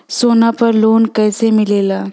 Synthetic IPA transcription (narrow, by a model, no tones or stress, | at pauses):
soːnapəɾloːnkəjsemɪleːla